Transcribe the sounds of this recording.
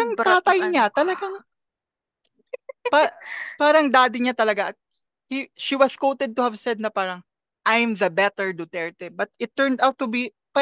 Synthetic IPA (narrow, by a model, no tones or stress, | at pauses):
ɐŋt̪aːt̪ɐjɲat̪ɐlɐɡaŋ | papaːɾɐŋd̪aːd̪ɪɲat̪ɐlɐɡaʔɐk̚ | hiʃiwɐskowt̪ɛd̪̚t̪ʊhɐvsɛd̪̚nɐpaːɾɐŋ | ʔajmðɐbɛt̪ɛɹd̪ʊt̪ɛɹt̪ɛbɐt̪̚ɪt̪ːɛɹnd̪awt̪ːʊbi | pɐ